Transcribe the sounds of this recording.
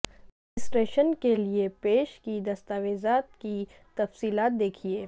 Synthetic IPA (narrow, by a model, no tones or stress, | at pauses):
ɪsʈɾeːʃənkeliepeːʃkid̪ɐst̪aːʋeːzaːt̪ki | t̪ɐfsiːlaːt̪̚d̪eːkʰieː